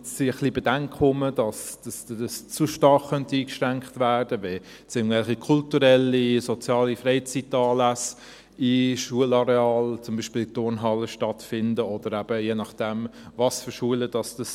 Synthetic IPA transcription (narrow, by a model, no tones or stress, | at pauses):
siəχlibɛdæŋkχʊmədɑsd̥ɑsdəst͡suʃtɑɾχːœntiːkʃɾæŋkχtvæːrd̥əvɛ | t͡sɪŋvɛlχikʰultuɾɛlisɔt͡sjɑːlifreɪt͡sitɑːlæs | iʃuəlɑɾeɑːlt͡sʊmbiːʃpiːltʊɾnɦɑlːəʃtɑtfɪndəɔd̥əɾæb̥əjeːnɑχd̥ɛmvɑsfʏʃuələd̥ɑsd̥ɑs